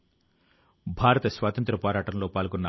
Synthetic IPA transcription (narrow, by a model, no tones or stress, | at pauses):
bʱaːɾɐt̪ɐsʋaːt̪ɐnt̪ɾɐpoːɾaːʈɐnlo̞ːpaːlɡɔnːɐ